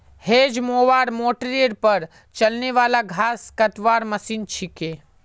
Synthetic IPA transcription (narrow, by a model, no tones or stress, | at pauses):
heːd͡ʒmoːʋaːɾmoːʈɾeɽpɐɾ | t͡ʃɐlneʋaːlaɡʱaːskɐt̪ʋaːɾmɐsiːnt͡ʃʰikeː